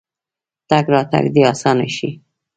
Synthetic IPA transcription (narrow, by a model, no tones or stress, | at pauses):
t̪aɡɾɑt̪a̰ɡd̪iɑsɑnaʃḭ